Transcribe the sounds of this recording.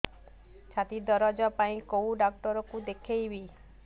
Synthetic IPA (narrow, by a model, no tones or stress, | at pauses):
t͡ʃʰat̪id̪ɔɾɔd͡ʒapaĩkowɖak̚ʈɔɾɔkud̪ekʰejbi